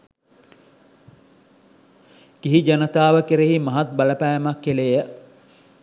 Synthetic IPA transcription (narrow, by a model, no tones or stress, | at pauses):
kiɦid͡ʒanət̪aːʋəkeɾeɦimɐɦat̪̚bɐləpæjmakːeleːjə